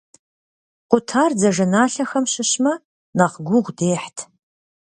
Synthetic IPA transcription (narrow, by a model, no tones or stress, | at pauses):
qʷʊtʰaːrd͡zɐʒɐnaːɬɐxɐmɕɪɕmɐ | nɐqɡʷʊʁʷdeːħtʰ